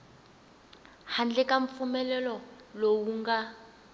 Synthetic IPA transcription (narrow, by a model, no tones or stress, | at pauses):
han̩d͡ɮɪkʼaɱ̩fʊmɛlɛlɔlowuŋ̩ɡa